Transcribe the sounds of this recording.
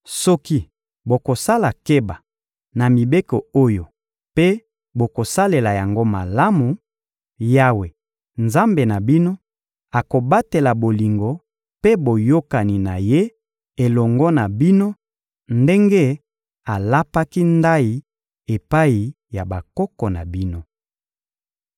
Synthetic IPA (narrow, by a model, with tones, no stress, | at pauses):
sɔ˦ki˦ | bo˨ko˨sa˦la˨ke˦ba˨ | na˨mi˨be˦ko˨o˦jo˨ | pe˦ | bo˨ko˨sa˦le˨la˨ja˨ŋɡo˦ma˨la˦mu˨ | ja˦we˨ | nza˦mbe˨na˨bi˦no˦ | a˨ko˨ba˦te˨la˨bo˨li˨ŋɡo˨ | pe˦bo˨jo˦ka˨ni˨na˨je˦ | e˨lɔ˨ŋɡɔ˦na˨bi˦no˦ | nde˦ŋɡe˦ | a˨la˦pa˦ki˦nda˦i˨ | e˨pa˦i˨ | ja˨ba˨kɔ˦kɔ˨na̰˨bi˦no˦